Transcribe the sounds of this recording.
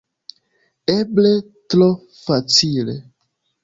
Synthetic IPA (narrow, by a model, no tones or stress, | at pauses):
eble | tɾo | fat͡silḛ